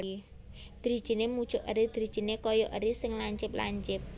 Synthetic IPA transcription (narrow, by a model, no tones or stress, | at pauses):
d̪̥ɾi̤̥ʒ̥i̤nemu̥t͡ʃʊʔəɾid̪̥ɾi̥ʒ̥i̤nekɔjɔʔəɾisɪŋlaɲt͡ʃɪpla̰ɲt͡ʃɪp̚